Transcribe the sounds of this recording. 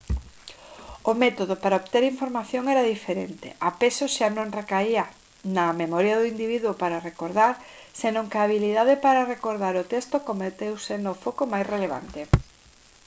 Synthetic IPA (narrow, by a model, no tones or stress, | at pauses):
omɛt̪oðopaɾaoβt̪eɾiɱfoɾmaθjoŋɛɾaðifeɾḛnt̪ḛʔapesoʃanõŋrekaia | nɐmemɔɾjaðʊind̪iβiðwopaɾarekoɾðaɾsenõŋkaːβilið̞aðepaɾarekoɾð̞aɾʊt̪est̪okomet̪ewsenofokomajsreleβ̞a̰nt̪e